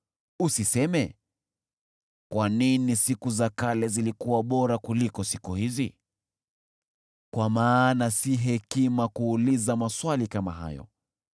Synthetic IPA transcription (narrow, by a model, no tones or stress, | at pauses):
usisɛmɛ | kwaninisikuzakalɛzilikuwaɓɔɾakulikɔsikuhizi | kwamaːnasiɦɛkimakuːlizamaswalikama̰ɦa̰jɔ̰